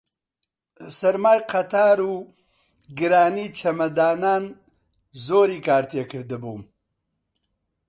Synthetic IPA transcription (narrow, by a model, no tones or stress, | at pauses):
sɐɾmaːjqʰɐt̪ʰaːɾuː | ɡɨɾaːniːt͡ʃʰɐmɐd̪aːnaːn | zoːɾiːkaːɾt̪ʰeːkɨɾd̪ɨbuːm